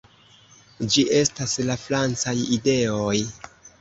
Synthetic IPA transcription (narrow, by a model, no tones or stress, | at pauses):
d͡ʒiʔe̞staslafɾant͡sajide̞oj